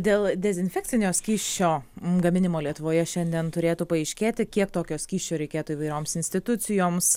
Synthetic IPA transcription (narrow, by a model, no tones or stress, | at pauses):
d̪ʲeːlˠd̪ʲɛzʲɪnʲfʲɛːk̚ʲt̪sʲɪnʲoːsʲkʲiːʃʲt͡ʃʲoːɡɐmʲɪnʲɪmoːlʲiɛt̪ʊʋoːjɛʃʲɛnʲd̪ʲiɛnt̪ʊɾʲeːt̪uːpɐɛɪʃʲkʲeːt̪ʲɪkʲiɛk̚t̪oːkʲoːsʲkʲiːʃʲt͡ʃʲoːɾʲɛɪkʲeːt̪uːiʋɐɪɾʲoːmsɪnʲsʲt̪ʲɪt̪ʊt̪sʲɪjoːms